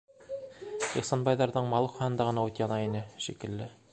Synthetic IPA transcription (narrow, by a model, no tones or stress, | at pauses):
iχsɑnbɑjðɑɾðɤɴmɑlˠɤχχɑnɤ̆nd̪ɑʁɤ̆nɑut̪jɑnɑinɘʃikɘ̆lːɘ